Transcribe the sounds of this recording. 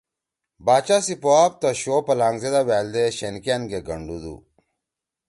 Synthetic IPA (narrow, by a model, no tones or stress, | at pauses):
baːt͡ɕasipoaːb̚t̪ɐɕoːpɐlaːŋɡzed̪aweːld̪eɕenkanɡeɡɐɳɖud̪ṵ